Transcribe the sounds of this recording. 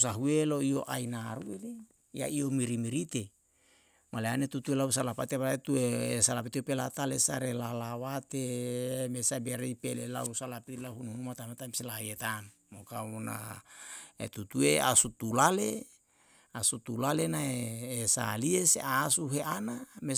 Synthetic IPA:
saɦueloio̰ʔa̰inaɾueli | ja̰iomiɾimiɾit̪e | maleanet̪ut̪uelausalapat̪ebaet̪uesalap̬it̪iopelat̪alesaɾelalawat̪emesabaɾeipelela̰usalapit̪ilaɦunuhunumat̪amat̪ami̥selaet̪an | mokamona̰ | ḛt̪ut̪uea̰sut̪ulale | asut̪ulalenaeːsa̰liesḛasuɦeʔaname

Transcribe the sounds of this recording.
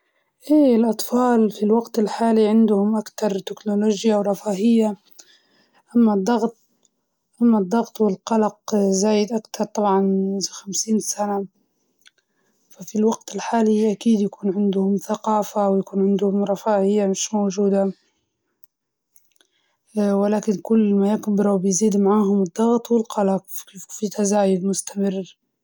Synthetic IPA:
ʔeːɪlʔɑt̪ˤfɑːlfilwaɡt̪ɪlħaːliʕɪnd̪ʊhʊmʔakt̪ɑɾˤt̪ɪknʊloːd͡ʒjawɾˤɑfaːhɪjːa | ʔamːad̪ˤːɑɣt̪̚ˤ | ʔamːad̪ˤːɑɣt̪ˤwɪlqɑlɑqzaːjɪd̪ʔakt̪ʰɑɾˤt̪ˤɑbʕɑnxamsiːnsana | fafilwaɡt̪ɪlħaːliʔakiːd̪jakuːnʕɪnd̪ʊhʊmθaqɑːfawjakuːnʕɪnd̪hʊmɾˤɑfaːʔɪjːamɪʃmowd͡ʒuːd̪a | wɪlaːkɪnkʊlːmajɪkbɪɾˤɑwbɪjziːd̪maʕaːhʊmɨd̪ˤːɑɣt̪ˤwɪlqɑlɑqkeffit̪azaːjʊd̪mʊst̪amɪrː

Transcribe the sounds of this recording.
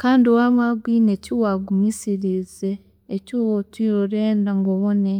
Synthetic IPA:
kaːndiowamwaɡwiːnecuwaɡumisiɾizeː | cuːwotwiːɾoɾeːndaŋɡoβone

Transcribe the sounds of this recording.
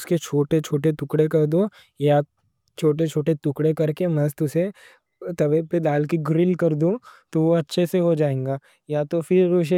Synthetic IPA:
ʊsket͡ʃʰoːʈet͡ʃʰoːʈet̪ʊkɽekɐɾd̪õ | ja | t͡ʃʰoːʈ̬et͡ʃʰoːʈet̪ʊkɽekɐɾkemɐst̪ʰʊse | t̪ɐʋeped̪aːlkiɡɾɪlkɐɾd̪ũt̪oʋoɐtːʃʰeseɦod͡ʒaːẽːŋɡaː | jat̪ofʰɪɾʊʃ

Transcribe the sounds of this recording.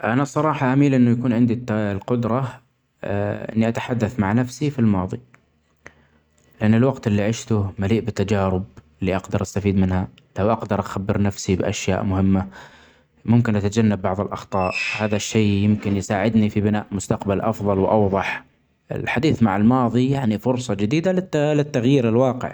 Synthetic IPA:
ʔanasˤːɑɾˤɑːħɑʔamiːlʔɪnːʊjakuːnʕɪnd̪it̪ːalqʊd̪ɾˤɑ | ʔɪ̰nːiʔat̪ḁħad̪ːaθmaʕnafsifilmɑːðˤi | lɪʔanːɪlwaɡt̪ɪlːiʕɪʃt̪ʊmaliːʔbɪt̪ːad͡ʒaːɾɪb̚ɪlːiʔɑɡd̪ɑɾˤʔast̪afiːd̪mɪnha | lawʔaqd̪ɑɾˤʔaxabːɪɾnafsibɪʔa̰ʃja̰ːʔmʊhɪmːa | mʊmkɪnʔat̪ad͡ʒanːabːɑʕðˤɪlʔɑxt̪ˤɑːʔhaːðaʃːeːjɪmkɪnjsaːʕɪd̪nifibɪnaːʔmʊst̪aqbalʔɑfðˤɑlwʔɑwðˤɑħ | ʔɪ̰lħad̪iːθmaʕalmɑːðˤijaʕnifʊɾsˤɑd͡ʒɪd̪iːd̪alɪlɪt̪ːaɣjiːɾɪlwɑːqɪ̰ʕ

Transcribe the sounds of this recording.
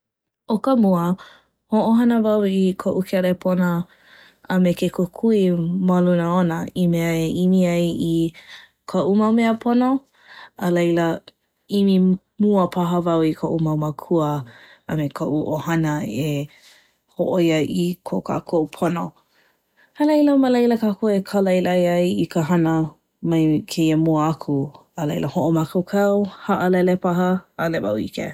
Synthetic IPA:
okəmuə | hoʔoɦɐnəvɐwikʰoʔukʰɛɾepʰonə | əmekekokʰuimɐlunəonəimeəeʔimiɐji | kʰoʔumɐwmeəpʰono | əlejlə | imi | muəpʰɐɦəvɐwikʰoʔumɐwməkʰuə | əmekʰoʔuʔohɐnəe | hoʔojɐikʰokʰa̰kʰoʔupʰono | əlejləməlejləkaːkoekʰaləilajajikəɦɐnə | mɐjkʰeiəmuəakʰu | əlejlʔəhoʔomakawkʰawhɐʔəlɛlepaɦəːleba̰wḭkḛ

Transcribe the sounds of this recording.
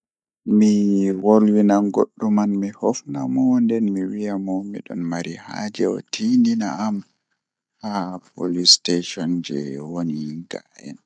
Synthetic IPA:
miwolwinanɡoɗːumanmihɔfnamɔndɛnmiwijamɔmḭɗɔnmaɾiha̰d͡ʒɛɔ̰tʰindinaam | hapolisteʃɔnd͡ʒɛ̰woniŋɡaʔɛ̰n

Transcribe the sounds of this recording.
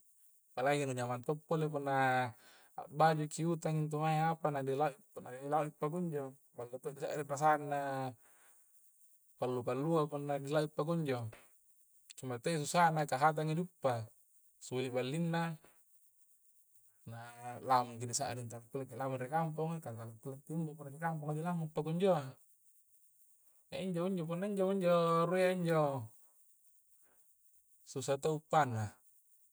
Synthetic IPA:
palaikinud͡ʒamant̪ɔpːolep̬unːa | a̰bad͡ʒukiut̪aŋint̪̬umaiapanadilaʔi | nailauipːaɡɔɲd͡ʒo | balːat̪odisaʔɾirasanːa | palːupalːuapunːadilaipːaɡɔɲd͡ʒo | kimat̪eis̬usanakaɦat̪̬aŋidupːa | sulibalːinːa | nalamaŋkidisaʔa̰dint̪aakulakilamanrikamp̬uŋakakakakulat̪ːiɲbopunarikampuŋadilaŋupːakuɲd͡ʒoa | aʔiɲd͡ʒoiɲd͡ʒop̬unːaiɲd͡ʒouɲd͡ʒorueaiɲd͡ʒo | susat̪oupːana

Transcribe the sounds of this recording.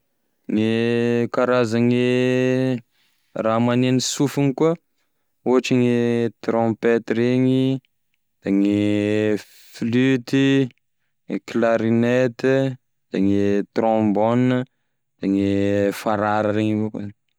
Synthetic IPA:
ŋekaɾazaŋe | raːmanenisufiŋikuə | uɦaʈ͡ʂiŋet̪ɾõpet̪ɾeɲi | d̪̥aŋe | flyt̪i | ŋeklaɾinet̪i | d̪̥eŋet̪ɾɔ̃bonə | d̪̥eŋefaɾaɾəɾeɲivok

